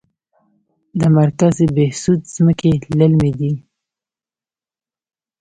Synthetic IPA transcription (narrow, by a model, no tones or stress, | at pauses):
d̪əmaɾkazbehsud̪z̥məkeləlmed̪i